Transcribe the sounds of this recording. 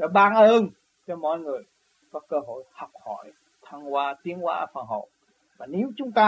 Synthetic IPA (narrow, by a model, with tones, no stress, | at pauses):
ɗ̰ɓaː˧ŋʔəː˧n | t͡ɕɔ˧mɔ̰˧˨jŋɨ˨˩əj | kɔ˨˦˥kəː˧ɦo̰˧˨jha˨˩wk͡p̚hɔ˧˩˨j | t̪ʰaː˧ŋkwaː˧t̪i˨˦ənwa̰ː˧fa̰ː˨˩nɦə̰˧˨w | vaː˨˩ne˨˦wt͡ɕʊ˨˦ŋ͡mt̪aː˧